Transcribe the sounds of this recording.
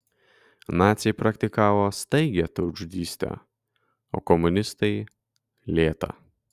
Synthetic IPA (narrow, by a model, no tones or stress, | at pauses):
nɑːt̪sʲɛɪpɾɐkt̪ʲɪkɑːʋoːst̪ɐɪɡʲɛt̪ɐʊd͡ʒud̪ʲiːsʲt̪ʲɛ̰ | o̰ːkɔmʊnʲɪst̪ɐɪ | lʲeːt̪ɐ̰